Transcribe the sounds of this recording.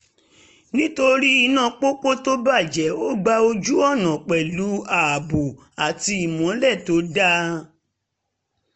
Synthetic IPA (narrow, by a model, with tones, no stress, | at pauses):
nĩ˦to˧ɾi˦i˧nã˦˧˨k͡po˦k͡po˦to˦ba˦˨d͡ʒɛ˨˦o˦˨ɡ͡ba˧o˧d͡ʒu˦ɔ˦˨nã˨k͡pɛ˨lu˨˦a˨a˨bu˨ | a˨ti˧i˨mɔ̃˨˦lɛ˦˨to˨˦da˦